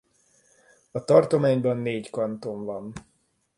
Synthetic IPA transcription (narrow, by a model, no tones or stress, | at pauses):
ɒt̪ɒrt̪o̞maːɲbɒnːeːckɒnt̪o̞nvɒn